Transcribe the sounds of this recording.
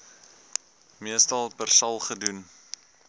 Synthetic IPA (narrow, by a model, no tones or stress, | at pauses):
miəstɐlˠpərsɐlˠχədun